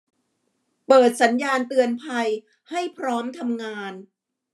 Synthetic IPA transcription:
pɤː˨˩t̪̚sa˩˦njaː˧nt̪ɯ˧ənpʰa˧j | ha˥˩jpʰɾɔː˦˥mt̪ʰa˧mŋaː˧n

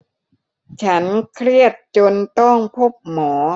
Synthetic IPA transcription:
t͡ɕʰa˦˥nkʰɾi˥˩ət̪̚t͡ɕo˧nt̪ɔ˥˩ŋpʰo˦˥˩p̚mɔː˩˦

